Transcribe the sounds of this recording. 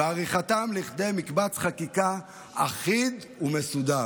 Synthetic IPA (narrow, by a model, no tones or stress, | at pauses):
aʁiχat̪amliχd̪e̞jmikbat͡sχakika | aχid̪ | umesud̪a